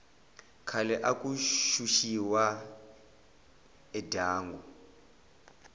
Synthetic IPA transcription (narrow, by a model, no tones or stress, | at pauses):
kʰalɛʔakʼuʃuʃiwa | ɛdʱaːŋɡu